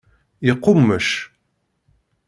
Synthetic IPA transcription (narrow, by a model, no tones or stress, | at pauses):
jəqːʊmːəʃ